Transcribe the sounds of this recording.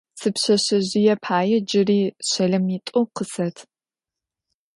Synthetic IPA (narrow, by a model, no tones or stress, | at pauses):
sɨpɕɐɕɐʑɪjɛpʰaːjɛd͡ʒɪriːɕɐɮɐmitʼoqəsɐtʰ